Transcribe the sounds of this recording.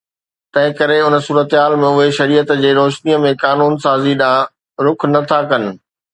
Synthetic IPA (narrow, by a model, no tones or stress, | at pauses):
t̪ɐ̃ɦɪ̃kɐɾeʊnəsuːɾət̪ɦaːlmẽʊɦeʃɐɾiːət̪d͡ʑeːɾoːʃniəmẽkaːnuːnsaːziɗãː | ɾʊkʰnɐt̪ʰakɐnɪ̆